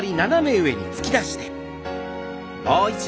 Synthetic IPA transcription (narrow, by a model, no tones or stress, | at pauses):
ɾʲinaname̞ːɯ̟e̞ɲ̟ḭt͡sɨ̥kʲid̪aɕi̥t̪e | moːit͡ɕ